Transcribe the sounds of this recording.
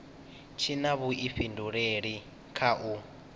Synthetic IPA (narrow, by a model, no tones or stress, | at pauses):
t͡ʃʰinaβuʔiɸinduɺeɺi | kʰaʔu